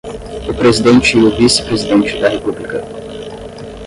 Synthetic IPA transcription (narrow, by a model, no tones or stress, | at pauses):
upɾezid̪ent̪ʃiluvisʲe̥pɾezid̪ent̪t͡ʃid̪aɾepublikə